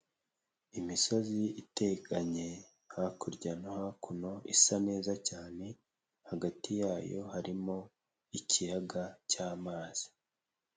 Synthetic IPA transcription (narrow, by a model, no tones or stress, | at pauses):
imiso̞ziite̞kaɲe̞ | hakuɾɟanohakʰuno̞isane̞ːzacaːne̞ | haɡatijaːjo̞̰haɾimo̞ | icijaɡacaːmaːz̥i̥